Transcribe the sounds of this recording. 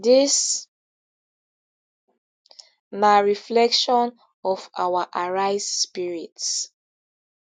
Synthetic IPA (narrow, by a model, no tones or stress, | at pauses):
dis | maɹiflɛkʃɔ̃n | ɔfawaʔaɹajspiɹits